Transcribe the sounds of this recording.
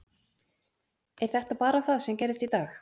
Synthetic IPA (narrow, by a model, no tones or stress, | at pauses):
ɛɾ̥θɛht̪apaːɾaθaðsɛmcɛjɾðɪst̪it̪aːx